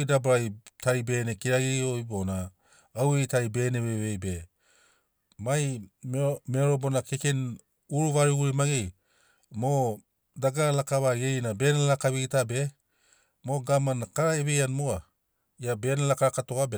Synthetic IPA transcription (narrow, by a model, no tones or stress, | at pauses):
jdabɾajtʰaɾibe̞ːnekiɾaɡiojbonaː | wejtaɾibe̞ːneβeβejbe | majmmeoɾobo̞nakeken | uɾuvaɾuɡuɾimaɡej | mo | daɡalakaβaɡejnabe̞nalakaβiɡitabe̞ | mo̞ɡamanakaɾaeβejanmoa | jabe̞nalakaɾakatoabe